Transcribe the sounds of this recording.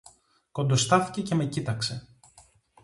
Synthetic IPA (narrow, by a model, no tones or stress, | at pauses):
ko̞nd̪ost̪ɐθi̥ce̞ce̞me̞cit̪ɐkse̞